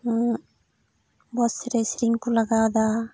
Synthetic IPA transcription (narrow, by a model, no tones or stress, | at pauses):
bɔsɾesɾiŋkulaɡaːd̪a